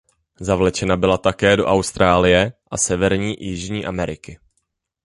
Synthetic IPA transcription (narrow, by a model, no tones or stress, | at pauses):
zavlɛt͡ʃɛnabɪlat̪akɛːdo̞ʔawst̪ɾaːlɪjɛʔasɛvɛɾɲiːjɪʒɲiːʔamɛɾɪkɪ